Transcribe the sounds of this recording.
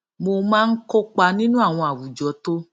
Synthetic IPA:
mo˧mãː˦n̩˦ko˦k͡pa˧nĩ˦nũ˦a˦˨w̃ɔ̃˧a˨wu˨d͡ʒɔ˨˦to˦

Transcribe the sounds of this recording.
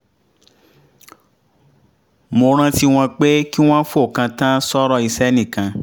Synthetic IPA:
mo˧ɾ̃ã˦˧ti˦w̃ã˧k͡pe˦ki˦w̃ã˦fo˦˨kã˧tã˦sɔ˦ɾɔ˦i˧sɛ˦nĩ˦˨kã˧

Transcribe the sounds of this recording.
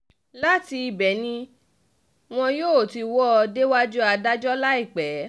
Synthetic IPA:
la˦ti˧i˨bɛ˨˦nĩ˧ | w̃ɔ̃˧joː˦˨ti˧wɔ˦˧de˦wa˦d͡ʒu˦a˧da˦d͡ʒɔ˦la˦i˦˨k͡pɛ˨˦

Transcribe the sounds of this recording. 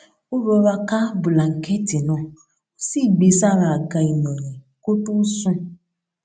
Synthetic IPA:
ʊ˦ɾɔ˨ɾa˦ka˦bʊ˨la˨ŋ̩˨ke˦ti˨nɔ̃˦˨˦ | si˦˨ɡ͡be˨sa˦˨ɾa˨a˨ɡa˨i˨nɔ˨ɲe˨ | ko˦tu˦su˦

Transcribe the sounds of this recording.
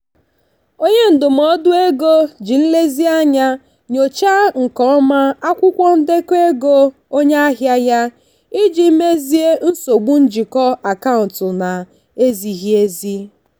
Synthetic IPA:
o˦ɲe˦n̩˨dʊ˨m̩˨ɔ˦dʊ˦e˦ɡo˦d͡ʒi˨n̩˦le˦zi˦a˦ɲa˦ | ɲo˨t͡ʃa˦ŋ̩˨kɔ˦ma˦a˦kʷʊ˦kʷɔ˦n̩˦de˦ke˦ɡo˦ | o˦ɲe˦a˦ɦja˦ja˦ | i˦d͡ʒi˨˦me˦zi˦e˦n̩˦so˨ɡ͡bu˦n̩˦d͡ʒi˨kɔ˦a˨ka˦ʊ˨n˨tʊ˨na˨ | e˦zi˨ɦje˦zi˦

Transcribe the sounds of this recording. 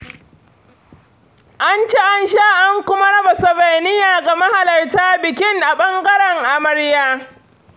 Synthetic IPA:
ʔa˦nt͡ʃe˦ʔa˦nʃaː˦ʔa˦ŋkʷʊ˦ma˦ɽɐ˦ba˨sɔ˨ba˨jnɪ˦jaː˨ɡa˨mɐ˦ha˨lɐ˨rtaː˦bɪ˨kʲɪ˦ŋʔa˨ɓɐ˦ŋɡɐ˦ɽɛ˨ŋʔa˨mɐ˦ɽjaː˦

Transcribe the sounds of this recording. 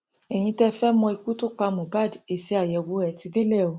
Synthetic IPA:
ɛ˨j̃ĩ˧tɛ˧˦fɛ˦mɔ̃˧i˧ku˦to˦k͡pa˧mũ˨ba˦˨de˨˧˨si˨˦a˨jɛ˨˧wo˨˧˦ɛ˧˨ti˧ɡe˦lɛ˦˨o˨˦

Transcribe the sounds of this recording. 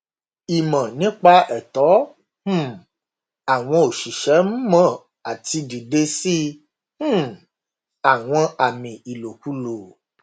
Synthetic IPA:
i˨mã˨nĩ˨˦k͡pa˧ɛ˨tɔ˨˦ | h̩˦˨ | a˨w̃ɔ̃˧o˨ʃi˨ʃɛ˨˦m̩˦mã˦˨ | a˨ti˧di˨de˧sĩ˦ | a˨w̃ɔ̃˧a˨mĩ˨i˨lo˨ku˨˧lo˨

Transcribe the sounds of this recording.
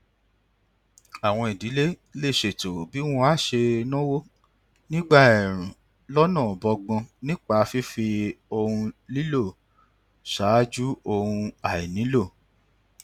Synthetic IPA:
a˨w̃ɔ̃˧i˨di˨˦le˦le˦˨ʃe˨to˨bi˨˦w̃ɔ̃˧a˦˨ʃe˧nɔ̃˦wo˦ | nĩ˦ɡ͡ba˦˨ɛ˨ɾ̃ũ˨ | lɔ˦nãː˦˨bɔ˧ɡ͡bɔ̃˧nĩ˦k͡pa˧fi˦fi˧o˧hũ˧li˦lo˦˨ | ʃa˨˦d͡ʒu˦o˧hũ˧a˨i˨nĩ˨˦lo˦˨

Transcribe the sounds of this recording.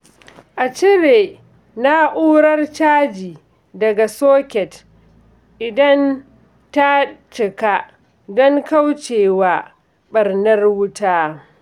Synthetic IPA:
ʔa˨t͡ʃɪ˦ɾeː˨ | na˦ʔuː˦ɾɐ˦rt͡ʃaː˦d͡ʒiː˨ | dɐ˨ɡa˨soː˦kʲɛ˨t | ʔɪ˨dɐ˦n | ta˦t͡ʃɪ˨ka˦ | dɔ˦ŋka˦wt͡ʃeː˨waː˦˨ | ɓɐ˨rnɐ˦rwʊ˦taː˦

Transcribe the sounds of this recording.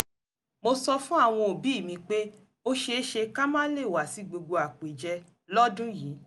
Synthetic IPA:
mo˧sɔ˧fũ˦a˦˨w̃ɔ̃˧o˨bi˨˦i˦˨mĩ˧k͡pe˦ | o˦ʃe˧˦ʃe˧ka˦mãː˦le˦˨wa˨si˨˦ɡ͡bo˧ɡo˧a˨k͡pe˨d͡ʒɛ˧ | lɔ˦dũ˦ji˨˦

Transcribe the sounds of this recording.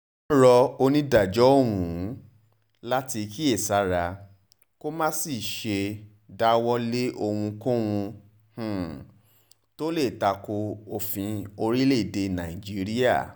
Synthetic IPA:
ɾɔ˧o˧nĩ˦da˨d͡ʒɔ˨˦o˦˨wũ˨˦ | la˦ti˧ki˦e˦˨sa˨˦ɾa˧ | ko˦mãː˦si˦˨ʃe˧ | da˦wɔ˦le˦ʔo˧hũ˧kũ˦wũ˧ | h̩˨ | to˦le˦˨ta˧ko˧o˨fĩ˧o˧ɾi˦le˦˨de˧nã˨i˨d͡ʒi˦ɾi˦a̰˦˨

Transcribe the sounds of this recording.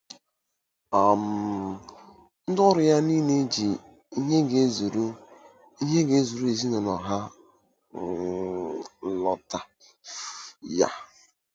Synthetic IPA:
a˨m̩˨ | n̩˦dɔ˦ɾʊ˨ja˦ni˦ne˦d͡ʒi˨ | i˦ɲe˦ɡe˨˦zu˨ɾu˦ | i˦ɦe˦ɡe˨˦zu˨ɾu˦e˨zi˦nʊ˨nɔ˨ɦa˦ | lɔ˨ta˨ | ja̰˨

